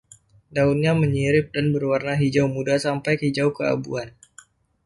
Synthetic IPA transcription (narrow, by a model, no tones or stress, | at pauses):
daunɲaməɲiɾɪp̚danbərwarnaɦid͡ʒawmudasampajkid͡ʒawkəa̰bṵan